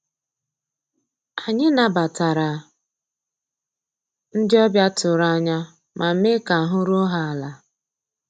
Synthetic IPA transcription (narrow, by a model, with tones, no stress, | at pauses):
a˨ɲɪ˦na˨ba˨ta˨ɾa˨ | n̩˦dɪ˦ɔ˦bja˦tʊ˨ɾa˦˨ɲa˦ | mʔa˨m̩˦me˦ka˨ɦʊ˦ɾʊ˦ɦa˦a˨la˨